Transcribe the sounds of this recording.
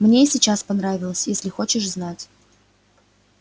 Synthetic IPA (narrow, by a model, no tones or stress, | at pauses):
mnʲesʲɪt͡ɕaspɐnɾavʲɪlˠəsʲjesʲlʲɪxo̞t͡ɕɪʂznatʲ